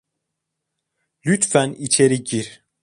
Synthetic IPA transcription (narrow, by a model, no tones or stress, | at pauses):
lʲyt̪fænit͡ʃʰe̞ɾiɟiɾ